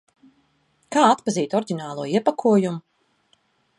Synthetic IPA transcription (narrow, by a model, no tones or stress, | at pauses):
kaːat̪paziːt̪ɔɾɟʲinaːlˠuɔiɛpakʰuɔjumʊ